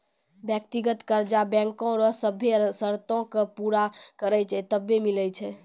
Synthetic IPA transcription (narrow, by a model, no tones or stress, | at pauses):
bjək̚t̪iɡət̪kəɾd͡ʒabɛ̃ŋkõɾɔsəbʱesəɾt̪õkepuɾakəɾəjt͡ʃʰɛt̪əbːemiləjt͡ʃʰɛ